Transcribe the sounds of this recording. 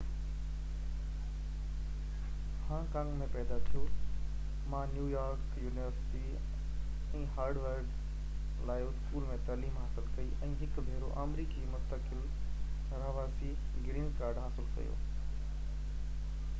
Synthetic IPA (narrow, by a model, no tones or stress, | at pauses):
hãːkãŋmẽpɛːd̪at̪ʰijo | mãnjuːjaːɾkjuːnɪʋəɾsɪ̥ʈi | ɛ̃ːɦaːɾɖʋəɾɖ | laːɪʊskuːlmẽt̪ɐliːmɦaːsɪlkɐiʔɛ̃ːɦɪkbʱeːɾo̰ʔamɾiːkimʊst̪əkɪl | ɾɐʋaːsi | ɡɾĩːnkaːɾɖɦaːsɪlkɐ̰jo̰ː